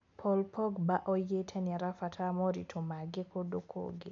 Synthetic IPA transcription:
pʰɔlpʰɔɡbaʔɔjetʰɛnɛɾafatʰamɔɾḭtʰomaɡɪkodokʰo̰ɡɪ

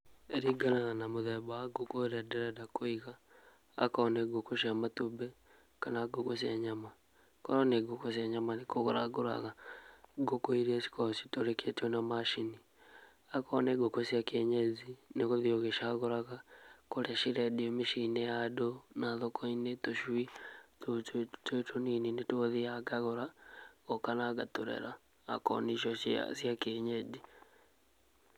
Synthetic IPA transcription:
eɾiɡanaɣanamoðɛbawaɡokoɾɛdeɾadakoiɣa̰ː | kaːneɡokoʃamatubɛ | kanaɡokos̬aɲama | koɾoneɡokos̬iaɲamanikoɣoɾaɡoɾa̰ɣaɡokoiɾiesi̥kosi̥toɾekʰetonamaʃini | akɔneɡokosiakeɲezinekoðioɣeʃaɣoɾaɣakoɾɛʃiɾɛdiomiʃinejadonaðokʰoinetoʃwitotetʰonininetwoðiaɡaɣoɾaɣokanaɡatoɾḛɾa̰ː | kɔ̰niʃɔsa̰sjakeɲɛd͡ʒi

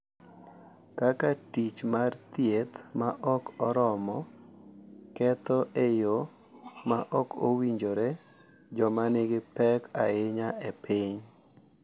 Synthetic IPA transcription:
kakatit͡ʃmart̪jet̪maʔɔkɔɾɔmɔ | kɛt̪ɔʔejo | maʔɔko̰wiɲd͡ʒoɾe | d͡ʒɔmanɪɡɪpɛkaɪɲaʔepʰɪɲ

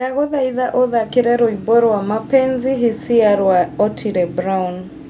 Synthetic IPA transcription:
aɣɔðaiðaʔɔðakɪɾɛɾɔibɔɾɔwamapɛnzɪɦɪsɪaɾwaɔtʰiɾɛbɾaun

